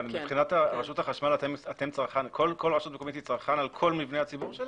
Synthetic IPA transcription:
mibχinataʁaʃuthaχaʃmalaat̪e̞mt͡saʁχankʰolkʰo̞lʁaʃut̪mekomit̪it͡saʁχanalkʰo̞lmivneat͡sibuʁʃel

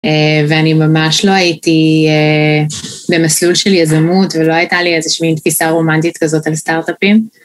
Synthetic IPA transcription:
eveanimamaʃlo̞ajitie | be̞maslulʃeljazamutvelo̞ajtaliezeʃmint̪fisaʁo̞mantitkazo̞talstaʁtapim

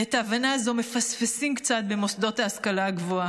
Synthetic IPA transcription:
etaːvanaːzo̞me̞fasfesimkt͡sat̪̚bemo̞sd̪o̞thaːskalaːɡvo̞a

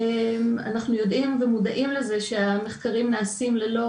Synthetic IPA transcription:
ma̰naχnujo̞d̪imvemudaʔimle̞ze̞ʃe̞ame̞χkaʁimnaːsimlelo̞

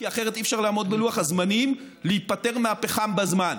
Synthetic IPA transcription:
kiaχe̞ʁet̪ifʃaʁlaːmo̞d̪beluaχazmanim | leitpate̞ʁmaapeχambazman

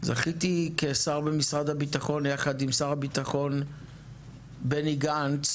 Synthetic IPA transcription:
za̰χitikesaʁbemisʁadhabitaχo̞njaχadimsaʁhabitaχo̞n | beniɡant

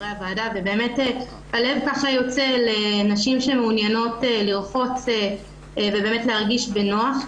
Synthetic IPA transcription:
ʁeavaːdave̞be̞ːme̞te | hale̞vkaχajo̞t͡se̞le̞naʃimʃe̞meunjano̞teliʁfo̞t͡se | vebe̞ːmetleaʁɡiʃbenoaχ

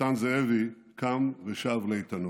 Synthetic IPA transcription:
anzɛɛvi | kʰamveʃavleit̪ɐnu

